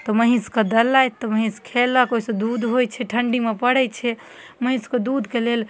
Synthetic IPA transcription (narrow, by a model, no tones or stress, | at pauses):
t̪ɔməɦĩskəd̪əlːajt̪ːɔməɦĩskʰeləkoɦisẽd̪ud̪ɦojt͡ʃʰɛʈʰəɳɖimepəɽɛt͡ʃʰɛ | məɦĩsked̪ud̪kelel